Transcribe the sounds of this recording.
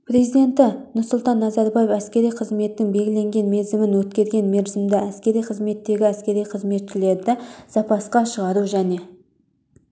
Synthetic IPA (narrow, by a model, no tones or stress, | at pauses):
pɾe̞zijd̪e̞nt̪ɪnʊɾsʊlˠt̪ɑnːɑzɑɾbɑjefæskʲe̞ɾijqʰəzme̞t̪ːɪŋbe̞lɡʲɪle̞ŋɡʲe̞nme̞zɪmɪnwɵt̪̚kʲe̞ɾɡʲe̞nme̞ɾzɪmd̪ɪæskʲe̞ɾijqʰəzme̞t̪ːe̞ɡʲɪæskʲe̞ɾijqʰəzme̞t̪ʃɪle̞ɾd̪ɪsɑpɑsqɑʃəʁɑɾuʒæne̞